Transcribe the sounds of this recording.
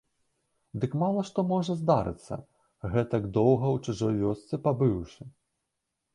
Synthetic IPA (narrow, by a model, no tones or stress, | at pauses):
d̪ɨkmalˠɐʂt̪ɔmɔʐɐzd̪aɾɨ̰t̪sːɐ̰ | ɣɛt̪ɐɡd̪ɔwɣɐwt͡ʂuʐɔjvʲɔst̪sɛpabɨwʂɨ